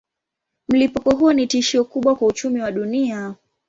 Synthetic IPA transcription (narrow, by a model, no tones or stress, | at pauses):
m̩lipukɔɦuɔnitiʃiɔkuɓwakwaut͡ʃumiwaɗunia